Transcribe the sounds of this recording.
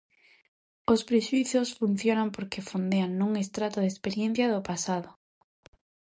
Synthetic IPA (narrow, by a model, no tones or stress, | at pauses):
ospɾeʃuiθosfun̟θjonampoɾkefond̪eaŋnũŋest̪ɾat̪oðespeɾjẽn̟θjɐðopasaðo